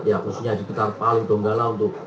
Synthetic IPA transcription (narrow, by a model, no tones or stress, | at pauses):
jaʔṵsiɲad͡ʒibət̪arpalud̪ɔŋɡalaunt̪ʊk̚